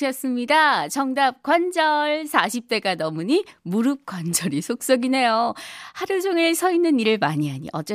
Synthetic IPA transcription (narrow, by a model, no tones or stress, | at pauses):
ʌs͈ɯmɲidat͡ɕʌŋdap̚kwand͡ʑʌɭsʰaɕʰip̚t͈e̞ɡanʌmuɲimuɾɯp̚k͈wand͡ʑʌɾisʰok̚s͈ʌɡine̞johaɾud͡ʑoŋesʰʌinːɯniɾɯɭmaɲiɦaɲḭʔʌt͡ɕ͈e